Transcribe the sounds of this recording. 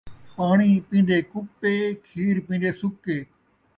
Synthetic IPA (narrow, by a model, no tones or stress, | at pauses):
paːɳ̃iːpĩːnd̪eːkʊpːeːkʰiːɾpĩːnd̪eːsʊkeː